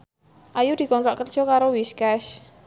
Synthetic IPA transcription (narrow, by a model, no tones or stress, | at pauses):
ʔajud̪̥i̤kɔnt̪ɔʔkərd̥ʒ̥ɔ̤kaɾowiskɛʃ